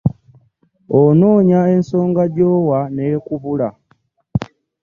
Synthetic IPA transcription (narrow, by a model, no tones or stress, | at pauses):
onoːɲaensoːŋɡaɟoːwanekuβula